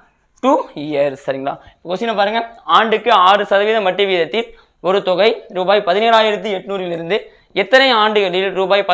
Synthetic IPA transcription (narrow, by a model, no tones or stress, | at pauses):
ʈuːijɐɾsɐɾɪŋɡɐɭa̰ːɪpːɐkoːsɪnːɐpaːɾɯŋɡɐaːɳɖɯkːɯaːrɯsɐðɐʋiːðɐmɐʈːɯʋiːðɐt̪ːɪl | ɔɾɯt̪ɔɣɐɪɾuːbaːjpɐðɪneːɾaːjɪɾɐt̪̬ːiɛʈːnuːɾɪlɪɾɯnd̪ɯ | ɛt̪ːɐnɐjaːɳɖɯɣɐɭɪlɾuːbaːjpɐ